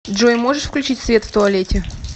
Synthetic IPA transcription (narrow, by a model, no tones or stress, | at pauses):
dʐojmoʐɨʂfklʲʉt͡ɕitʲsvʲet̪ft̪ʊɐlʲetʲɪ